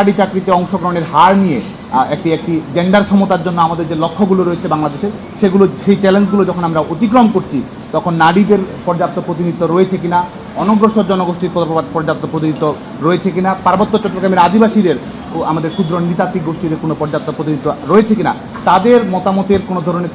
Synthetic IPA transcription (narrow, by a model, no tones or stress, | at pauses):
aɽit͡ɕakɾit̪eɔŋʃoɡɾoneɾɦaɾnije | ek̚ʈiek̚ʈid͡ʑeɳɖaɾʃɔmot̪aɾd͡ʑonːoamad̪eɾd͡ʑelokʰːoɡuloɾoet͡ɕʰebaŋlad̪eʃeɾ | ʃeɡuloʃejt͡ɕɛlend͡ʑɡulod͡ʑɔkʰonamɾaʔot̪ik̬ɾomkoɾt͡ɕʰi | t̪ɔkʰonːaɽid̪eɾpɔɾd͡ʑap̚t̪ːopɾot̪̬init̪ːoɾoet͡ɕʰekina | ɔnoɡɾoʃoɾd͡ʑɔnoɡoʃʈiɾpɔpɔɾd͡ʑap̚t̪ːopɾot̪iniit̪ːo | ɾoet͡ɕʰekinapaɾbot̪ːot͡ɕɔʈːokɾameɾad̪ʱibaʃid̪eɾ | amad̪eɾkʰud̪ɾonit̪at̪ːik̚ɡoʃʈid̪eɾkonopɔɾd͡ʑap̚t̪ːopɾot̪iniit̪ːoɾoet͡ɕʰekina̰ | t̪ad̪eɾmɔt̪amot̪eɾkonod̪ʱɔɾoneɾ